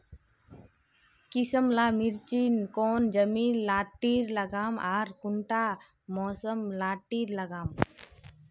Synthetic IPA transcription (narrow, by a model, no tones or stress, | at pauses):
kisəmlaːmiɾt͡ʃiːnkoːnd͡ʒəmiːnlaːʈːiːɾləɡaːmaːɾkʊɳʈaː | mɔːsəmlaːʈːiːɾləɡaːm